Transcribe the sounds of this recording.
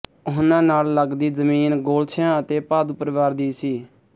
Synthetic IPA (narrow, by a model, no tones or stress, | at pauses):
ʊɦʊnãːnaːlləɡd̪iːzəmiːnɡoːlt͡ʃʰjãːət̪eːpaːd̪uːpəɾəʋaːɾd̪iːsiː